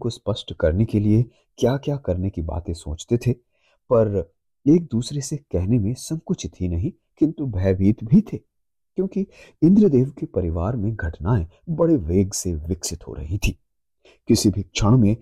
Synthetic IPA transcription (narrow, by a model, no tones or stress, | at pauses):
kospɐsʈkɐɾnekelie | kjaːkjaːkɐɾnekiba̰ːt̪ẽso̰ːt͡ʃt̪et̪ʰe | pɐɾ | eːk̚d̪uːsɾesekɛɦnemẽsɐ̃bkʊt͡ʃʰt̪ʰinɐɦĩ | kɪ̃nt̪ubʱɛːbiːt̪bʱit̪ʰeː | kjõːkiɪ̃nd̪ɾəd̪eːʋkepɐɾɪʋaːɾmẽɡʱɐʈnaːẽ | bɐɽeʋeːɡseʋɪksɪt̪ɦo̰ɾɐ̰ɦit̪ʰiː | kɪsibʱikt͡ʃʰɐɽ̃mẽ